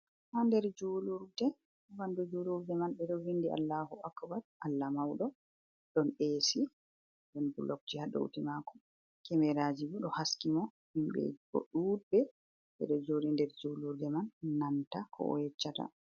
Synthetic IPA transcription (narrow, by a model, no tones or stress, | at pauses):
handɛɾd͡ʒuluɾdɛ | bandud͡ʒuluɾdɛmanbɛɗɔwindia̰lːahuakabatʔalːamawɗɔ | ɗɔnesi | ɗɔnbulɔk̚d͡ʒihaɗɔ̰ṵtimakɔ | kɛmɛɾad͡ʒibɔɗɔhaskimɔ | himɓɛ̰bɔ̰ɗuːbɛ | ɓɛ̰ɗɔd͡ʒoɾindɛɾd͡ʒuːluɾdɛmanːantakʰɔ̰ʔɔ̰jɛt͡ʃːata̰